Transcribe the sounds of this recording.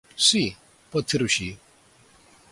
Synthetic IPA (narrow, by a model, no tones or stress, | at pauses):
si | pɐt̪ʰiɾuɕi